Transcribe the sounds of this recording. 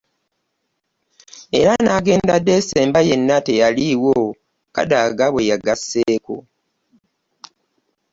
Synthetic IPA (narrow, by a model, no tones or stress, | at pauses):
e̞̰ɾanaːɡe̞ːndadːe̞se̞ːmbaje̞nːate̞jaliwo | ka̰daɡaβwejaɡasːeːko̰